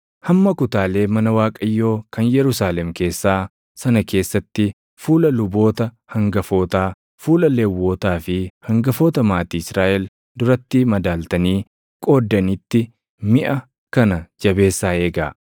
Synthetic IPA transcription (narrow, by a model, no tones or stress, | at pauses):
hɐmːɐkʊt̪aːle̞ːmɐnɐwaːkʼɐjːo̞ːkɐnjɛɾʊsaːlɛmke̞ːsːaː | sɐnɐkʰe̞ːsːɐt̪ːɪ | fuːlɐlʊbo̞ːt̪ɐ | hɐŋɡɐfo̞ːt̪aː | fuːlɐleːwːo̞ːt̪aːfɪhɐŋɡɐfo̞ːt̪ɐmaːt̪iːɪsɾaːʔɛl | d̪ʊɾɐt̪ːɪmɐd̪aːlt̪ɐniː | kʼo̞ːd̪ːɐnɪt̪ːɪ | mɪʔɐ | kɐnɐd͡ʒɐbe̞ːsːaːe̞ːɡa̰ː